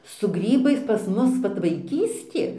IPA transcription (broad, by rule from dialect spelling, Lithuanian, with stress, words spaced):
sʊ ˈɡrʲiːbɐɪs pɐs ˈmʊs ˈʋɐt ʋɐɪˈkʲiːsʲtʲeː